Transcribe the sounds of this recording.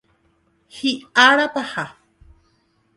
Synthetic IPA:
hiaɽat̪aha

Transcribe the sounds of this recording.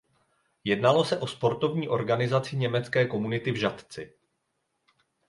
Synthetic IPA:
jɛdnalo̞sɛʔo̞spo̞ɾt̪o̞vɲiːʔo̞ɾɡanɪzat͡sɪɲɛmɛt͡skɛːko̞munɪt̪ɪvʒat̪t͡sɪ

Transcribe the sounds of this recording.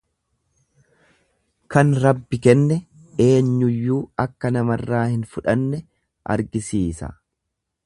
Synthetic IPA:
kɐnɾɐbːɪkɛnːɛ | e̞ːɲːʊjːuːɐkːɐnɐmɐrːaːhɪnfʊᶑɐnːɛ | ʔɐ̰ɾɡɪsiːsɐ̰

